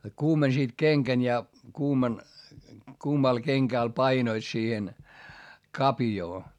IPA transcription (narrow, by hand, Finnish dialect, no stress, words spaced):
kuːmensiːt keŋkæn jɑ kuːmɑn kuːmɑl keŋkæˑl pɑinoit siːhen kɑpjoː